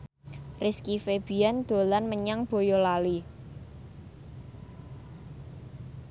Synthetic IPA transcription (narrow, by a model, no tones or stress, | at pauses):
rɪskifeb̥i̤and̪̥o̤lanməɲaŋb̥o̤jolali